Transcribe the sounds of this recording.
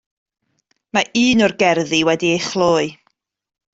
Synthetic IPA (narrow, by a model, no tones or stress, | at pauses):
maʔɨːnɔrɡɛrðiwɛdiejχlˠoːɨ